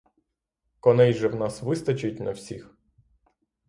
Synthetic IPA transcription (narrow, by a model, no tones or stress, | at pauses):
kɔnɛjʒɛwnɑsʋɪst̪ɐt͡ʃɐt̚ʲnɐwsʲix